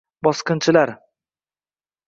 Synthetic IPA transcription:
bɒsqɨnt͡ʃʰɪlaɾ

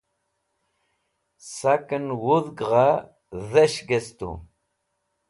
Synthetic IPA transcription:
sakənwuðɡʁa | ðeɕɡest̪ṵ

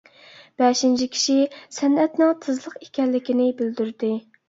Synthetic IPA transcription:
b̥ɛʃint͡ʃʰikʲʰi̥ʃisɛnɛt̪nɨŋt̪ʰɨzlˠəqekʲɛnlːɪkʲinɪbɪld̪yɾd̪ɪ

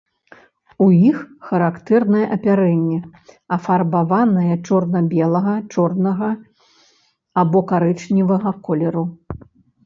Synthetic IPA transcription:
ujixxɐɾakt̪ɛrnɐjɛʔɐpʲaɾɛnʲːɛ | ɐfarbavanɐjɐt͡ʂɔrnɐbʲɛlˠɐɣɐt͡ʂɔrnɐɣɐ | abɔkaɾɛt͡ʂnʲivɐɣɐkɔlʲɛɾu

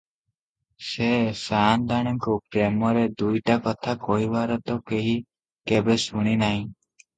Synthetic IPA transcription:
sesand̪aɽ̃ɔŋkupɾemɔɾed̪ujʈakɔt̪ʰakoibaɾɔt̪ɔkeɦi | kebesuɽ̃inaɦĩ

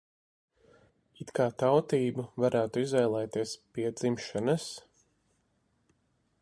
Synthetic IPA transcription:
it̪kaːt̪awt̪iːbuvaɾʔæːt̪uizvɛjlˠɛjt̪iɛspiɛd̪zimʃanas

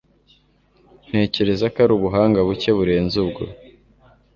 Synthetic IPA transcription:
n̥he̞ːce̞ɾe̞zakaɾuβuɦaːŋɡaβuce̞βuɾe̞ːnzubɡo̰

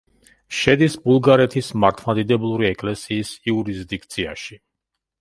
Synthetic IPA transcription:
ʃɛd̪isbulˠɡaɾɛt̪ʰismaɾt̪ʰmad̪id̪ɛblˠuɾiɛkʼlɛsiːsiuɾisd̪ik̚ʰt̪sʰia̰ʃi

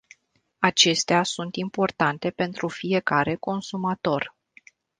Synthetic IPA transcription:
at͡ʃe̞st̪easunt̪impo̞rt̪ant̪e̞pe̞nt̪ɾufije̞kaɾe̞ko̞nsumat̪o̞r

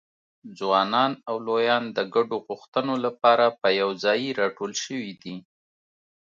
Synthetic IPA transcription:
d͡zwɑnɑnawlojɑnd̪əɡaɖoɣuxt̪ənolapɑɾapəjawzɑjiɾɑʈolʃəwid̪i

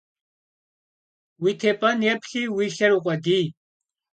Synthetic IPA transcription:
wit̪ʰɛpʼɐnɛpʰɬiwiɬɐɾuqʷʼɛd̪iː

